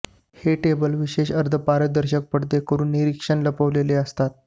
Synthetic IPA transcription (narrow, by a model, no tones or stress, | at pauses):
heʈebəlʋiɕeɕəɾd̪ʱəpaɾəd̪əɾɕək̚pəɽd̪ekəɾuːnːiɾikʂəɳləpəʋleleəst̪at̪̚